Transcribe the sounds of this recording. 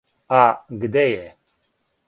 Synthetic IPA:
aɡəd̪eje

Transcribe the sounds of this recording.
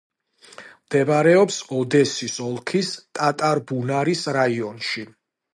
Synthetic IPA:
md̪̥ɛbaɾɛɔpsɔd̪ɛsisɔlˠkʰist̪ʼat̪ʼaɾbunaɾisɾaiɔnʃi

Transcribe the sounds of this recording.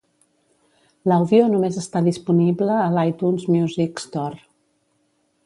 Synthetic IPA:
ləwðionumezəst̪aðispunibləːlajt̪unzmjuzikst̪ɔr

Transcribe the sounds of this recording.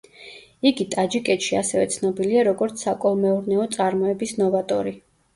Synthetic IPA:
iɡit̪ʼad͡ʒikʼɛt̪ʃiasɛvɛ̰t̪sʰnɔbiliaɾɔɡɔɾt̪sʰsakʼɔlˠmɛuɾnɛɔt̪sʼaɾmɔɛbisnɔvat̪ʼɔɾi

